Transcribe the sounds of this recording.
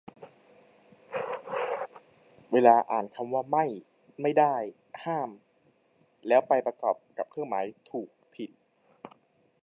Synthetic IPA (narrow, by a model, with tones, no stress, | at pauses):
weː˧laː˧ʔa̰ː˨˩nkʰa˧mwaː˥˩ma˥˩j | ma˥˩jdaː˥˩j | haː˥˩m | lɛː˦˥wpa˧jpɾa˧kɔː˨˩p̚ka˨˩p̚kʰɯ˥˩ŋmaː˩˦˥jt̪ʰuː˨˩k̚pʰi˨˩t̪̚